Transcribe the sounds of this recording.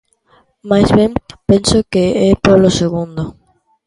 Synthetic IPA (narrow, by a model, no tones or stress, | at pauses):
majzβẽmpẽnsokeɛpoβloseɣũnd̪o